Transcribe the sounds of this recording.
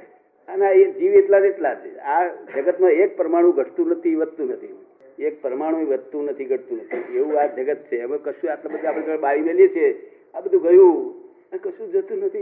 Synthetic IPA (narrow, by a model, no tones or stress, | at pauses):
anaed͡ʒiʋeʈlad͡ʒeʈlat͡ʃʰead͡ʒəɡət̪mãek̚pɾəmaɽ̃ũɡʱəʈt̪ũnət̪ʰiʋəd̪t̪ũnət̪ʰi | ek̚pɾəmaɽ̃ũeʋəd̪t̪ũnət̪ʰiɡʱəʈ̚t̪ũnət̪ʰieʋũad͡ʒəɡət̪̚t͡ʃʰeəmẽkəʃũaʈlabəd̪ʱaapɽẽt̪əɽeɓaʋineliet͡ʃʰe | abəd̪ʱũɡəjũ | əkəʃũd͡ʒot̪ũnət̪ʰi